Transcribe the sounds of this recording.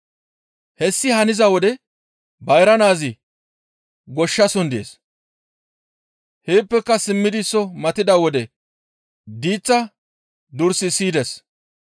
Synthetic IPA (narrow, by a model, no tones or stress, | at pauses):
hɛsːɪhɐnɪzɐwɔd̪ɛ | bɐjɾɐnaːzɪ | ɡɔʃːɐsɔnd̪ɪḛːs | heːpːɛkːɐsɪmːɪd̪ɪsːɔmɐt̪ɪd̪ɐwɔd̪ɛ | d̪iːt͡sːɐ | d̪ʊɾsɪsiːd̪ɛs